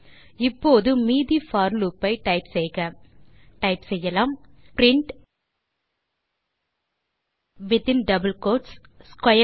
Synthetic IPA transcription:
ɪpːoːðɯmiːðifaːɾlupːɐɪʈɐɪpsɛjɣɐ | ʈɐɪpsɛjːɐlaːmpɾɪɳʈ | ʋɪt̪ɪnɖɐbɐlkoːʈs | skwɐjɐ

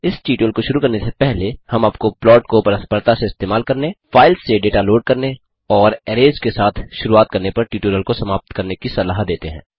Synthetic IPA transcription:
ɪsʈiːʈoːlkoʃʊɾukɐɾnesepɛɦlehɐmaːp̚koplɔːʈkopɐɾəspəɾt̪aseɪst̪eːmaːlkɐɾnefaːɪlsːeɖeːʈaloːɖ̚kɐɾne | ɔːɾɛːɾeːd͡ʒkesaːt̪ʰʃʊɾuaːt̪̚kɐɾnepɐɾʈiːʈoːɾəlkosɐmaːp̚t̪kɐɾnekisɐlaːɦd̪eːt̪eɦɛ̰̃ː

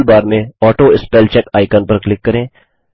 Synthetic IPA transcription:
lbaːɾmẽɔːʈoːɪspɛːlt͡ʃɛkaːɪkənpɐɾklɪkːɐɾẽː

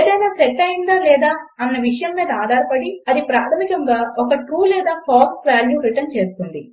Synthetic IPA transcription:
eːd̪ɐjnaːseʈːɐjind̪aːlɛːd̪aːɐnːɐʋiʂɐjɐmːiːd̪ɐaːd̪ʱaːɾɐpɐɽiɐd̪ipɾaːt̪ʰɐmikɐŋɡaːɔkɐʈɾuːlɛːd̪aːpʰaːksʋaːljuːɾiʈɐnt͡ʃe̞ːst̪und̪i

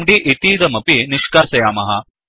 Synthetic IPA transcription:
mɖiʔit̪iːd̪ɐmɐpiniʃkaːsɐjaːmɐɦɐ

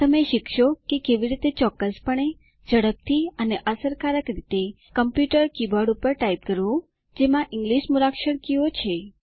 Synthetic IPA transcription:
t̪əmeʃikʰʃokekeʋiɾit̪et͡ʃɔkːəspəɳ̃e | d͡ʒəɽəb̚t̪ʰiəneʔəsəɾkaɾəkɾit̪e | kəmpjuʈəɾkibaɽupəɾʈaip̚kəɾʋũ | d͡ʒemãʔɪŋɡliʃmuɾakʃəɽkiot͡ʃʰe

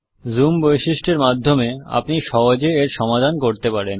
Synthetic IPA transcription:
zumbojʃiʃʈʰeɾmad̪ʱːomea̰pniʃɔɦod͡ʑeeɾʃɔmad̪ʱankoɾt̪epaɾen

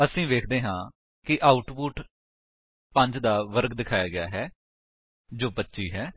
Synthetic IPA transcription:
əsĩːʋeːkʰd̪eːɦãː | kɪʔaːʊʈpʊʈ | pə̃ɲd͡ʒd̪aːʋəɾkd̪ɪkʰaːjaːɡɪjaːɦɛː | d͡ʒoːpətːʃiːɦɛː

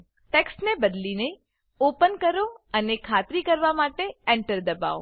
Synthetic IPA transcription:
ʈeksʈnebəd̪line | opənkəɾoənekʰat̪ɾikəɾʋamaʈeɛɳʈəɾd̪əba̰o̰

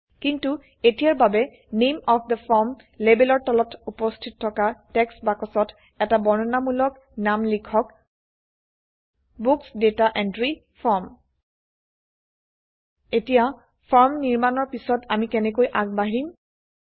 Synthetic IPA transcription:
kintu | etijaɹbabɛ | nemɔfʰd̪əfʰɔɹm | lebelɔɹtɔlɔtʰupɔstʰitɔtʰːɔkatɛksbakɔsɔtʰ | ɛtabɔɹnɔnamulɔk | namlikʰɔk | buksdetaʔɛndɹi | pʰɔɹm | etija | pʰɔɹmniɹmanɔɹpisɔtamikɛnɛkojʔaɡ̚baɦiɹim

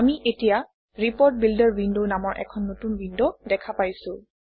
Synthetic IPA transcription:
amiʔetija | ɹipɔɹt̚bildɔɹbindonamɔɹʔɛ̰kʰɔnːotunbindodɛkʰapajsʊ̃

